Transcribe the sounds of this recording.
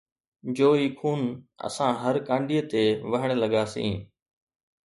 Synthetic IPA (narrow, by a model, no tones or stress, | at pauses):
d͡ʑoːiːkʰuːnə̰sãːɦəɾkãːɳɖiːət̪eːʋəɦɪɽ̃ləɠaːsḭ̃ː